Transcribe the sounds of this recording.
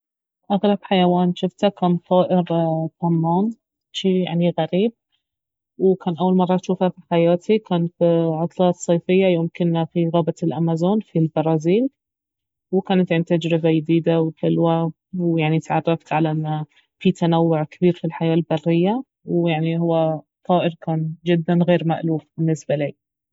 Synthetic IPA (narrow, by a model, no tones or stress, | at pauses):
ʔaɣlɑbħajawaːnʃʊft̪hakamt̪ˤɑːʔɪɾt̪amːaːn | ʃiːja̰ʕniɣaɾiːb̚ | wkaːnʔawːalmɑrˤːɑt̪ʃuːfafiħajaːt̪ʰikaːnfiʕʊt̪ˤlɑːt̪sˤːeːfɪjːajoːmkɪnːafiɣaːbalʔamazoːnfilbɑɾˤɑːziːl | wɪkaːnat̪ʕɪnt̪ad͡ʒɾɪbajɪd̪iːd̪awkɪlwa | wjaʕnit̪ʕɑ̰rˤːɑft̪ʕalaʔɪnːa | fit̪anawːʊʕkɪbiːɾfilħajaːlbɑrːɪjːa | wjaʕnihʊwːa | t̪ˤɑːʔɪɾkaːnd͡ʒɪd̪ːanɣeːɾmaʔluːfbɪnːɪsbaliː